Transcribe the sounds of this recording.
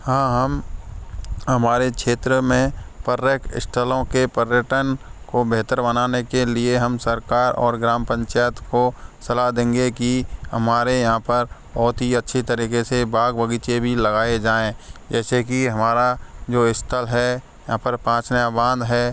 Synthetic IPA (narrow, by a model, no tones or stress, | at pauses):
hãːɦɐm | ɦəmaːɾekʃʰeːt̪ɾəmẽpəɾjəkɪ̰sʈʰəlõkepəɾjəʈənkobeːt̪əɾbənaːnekelieɦɐmsəɾkaːɾɔ̰ːɾɡɾaːmpə̃ɲt͡ʃaːjət̪kosɐlaɦd̪ẽːŋɡekihəmaːɾejɐɦãpəɾbɔɦʊt̪ɦiətːʃʰit̪əɾiːkesebaːɡbəɡiːt͡ʃebʱiləɡaːed͡ʒaːẽd͡ʒɛːsekiɦɐmaːɾad͡ʒoːɪst̪ʰəlɦɛ | jɐɦãpəɾpãːt͡ʃnjabãːnd̪ɦɛ